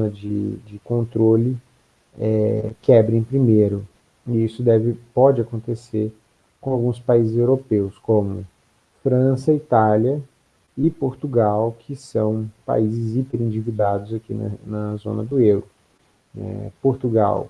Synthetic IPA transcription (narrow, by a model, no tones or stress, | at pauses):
ɐd͡ʒɪd͡ʒɪkõnt̪ɾolɪ | ɛkɛbɾẽj̃pɾimejɾʊ | iisʊd̪ɛvɪpɔd͡ʒɪakõnt̪eseɾ | kõawɡũspaizɪzewɾopewskõmʊ | fɾɐ̃sɐit̪aljɐ | ɪpoɾt̪uɡawkʰɪsɐ̃w̃pa̰izɪzipeɾĩd͡ʒivid̪ad̪ʊzakinɐ̰nɐzõ̰nɐd̪ʊewɾʊ | ɛ̰poɾt̪uɡa̰w